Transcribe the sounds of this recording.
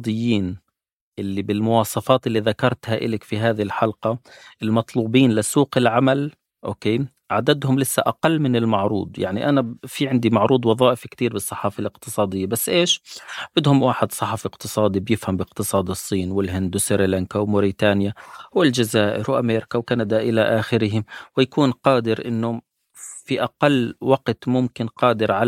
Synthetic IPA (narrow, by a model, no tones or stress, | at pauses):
d̪ɪjːiːn | ʔɪlːibɪlmʊwɑːsˤɑfɑːt̪ʔɪlːiðakɑɾˤt̪haʔɪ̰lɪkfiɦaːðhɪlħalqɑʔɪlmɑt̪ˤluːbiːnlɪsuːqɪlʕamal | ʔoːkeː | ʕad̪ad̪hʊmlɪsːa̰ʔaqalːmɪnɪlmɑʕɾṵːd̪ˤjaʕnḭʔanafiʕɪnd̪imaʕɾuːd̪ˤwɑðˤɑːʔɪfkt̪iːɾbɨsˤːɑħɑːfalɪqt̪ɨsˤɑːd̪ɪjːabasːʔeːʃbɪd̪hʊmwaːħɪd̪sˤɑħɑfɪqt̪ɨsˤɑːd̪ibjɪfhambɪqt̪ɨsˤɑːd̪ɨsˤːiːnwɪlɦɪnd̪wsɪɾilaŋkawmʊɾit̪aːnjawɪld͡ʒazaːʔɪ̰ɾwʔa̰meːɾɪkawkanad̪aʔɪlaʔaːxɪɾɪɦɪmwɪjakuːnqɑːd̪ɪɾʔɪnːʊ | fiʔaqalːwaqt̪mʊmkɪnqɑːd̪ɪɾʕa